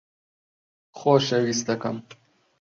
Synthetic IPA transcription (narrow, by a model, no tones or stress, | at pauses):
xoːʃɐwist̪ɐkɐm